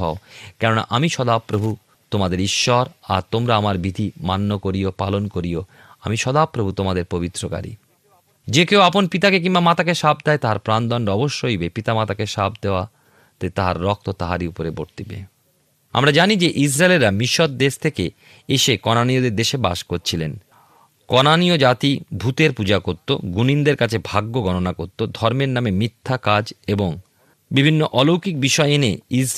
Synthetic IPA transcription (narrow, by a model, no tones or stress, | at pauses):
ɦɔokɛɾona̰ʔamiʃɔd̪apːɾobʱu | t̪omad̪eɾiʃːɔɾa̰ɾt̪omɾaamaɾbid̪ʱimanːokoɾijopalonkoɾio | amiʃɔd̪apːɾobʱut̪omad̪eɾpobit̪ːɾoka̰ɾḭ | d͡ʑekeoaponpit̪akek̬imbamat̪akeʃab̚d̪aet̪aɦaɾpɾand̪ɔɳɖɔboʃːoɦoijbepit̪amat̪akeʃa̰b̚d̪eoa | t̪at̪aɦa̰ɾːɔk̚t̪ot̪aɦaɾiupoɾebo̰ɾt̪ibḛ | a̰mɾad͡ʑanid͡ʑeʔis̬ɾaelɾːamiʃot̪̚d̪eʃt̪ʰeke | eʃekɔnaniod̪eɾd̪eʃeba̰ʃkoɾt͡ɕʰilen | kɔnaniod͡ʑat̪ibʱut̪eɾpud͡ʑakoɾt̪o̰ɡunind̪eɾkat͡ɕʰebʱaɡːoɡɔnonakoɾt̪od̪ʱɔɾmeɾnamemit̪ʰːakad͡ʑeboŋ | bibʱinːoʔɔlowkik̚biʃɔeeneis